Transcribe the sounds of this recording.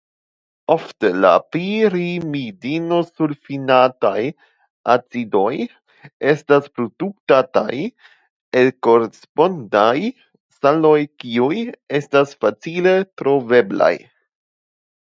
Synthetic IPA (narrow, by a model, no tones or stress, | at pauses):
o̞ftela̰pɾiɾimidino̞sulfinataj | ʔat͡sido̞j | e̞staspɾoduk̚tata̰j | elko̞ɾespo̞ndaj | salo̞jkiuje̞stasfat͡sile̞tɾo̞ve̞bla̰j